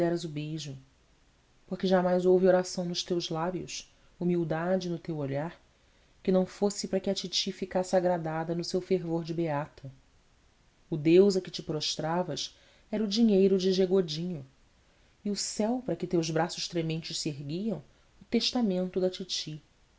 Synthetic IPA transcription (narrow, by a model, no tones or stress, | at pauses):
ɛɾɐzʊbejʒʊ | poχkɪʒamajzowvioɾasɐ̃w̃nʊʃt̪ewzlabjʊ̰s | umiwd̪ad͡ʒɪnʊt̪ewoʎaɾ | kɪnɐ̃w̃fosɪpɾɐkɪɐt͡ʃit͡ʃifikasɪaɡɾad̪ad̪ɐnʊsewfeɾvoɾd͡ʒɪbeat̪ʰɐ | ʊd̪ewzɐkɪt͡ʃɪpɾoʃt̪ɾavɐs | ɛɾɐʊd͡ʒiɲejɾʊd͡ʒɪʒeɡod͡ʒĩɲʊ | iʊsɛwpɾɐkɪt̪ewzbɾasʊʃt̪ɾemẽnt͡ʃɪʃseɦɡiɐ̃w̃ | ʊt̪eʃt̪amẽnt̪ʊd̪ɐt͡ʃit͡ʃi